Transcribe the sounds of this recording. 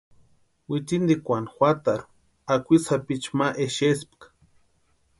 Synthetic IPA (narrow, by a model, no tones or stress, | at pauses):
wit̪ind̪ikʷanxʷat̪aɾu̥ | akʷisapit͡ʃmaʔeʃesp̚kḁ